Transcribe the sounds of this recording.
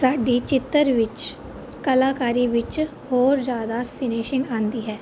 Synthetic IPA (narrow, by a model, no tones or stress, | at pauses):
saːɖit͡ʃɪt̪ːəɾʋɪt͡ʃ | kəlaːkaːɾiʋɪt͡ʃ | hoːɾd͡ʒjaːd̪apʰɪnɪʃɪ̃ŋɡãːnd̪iːɦɛː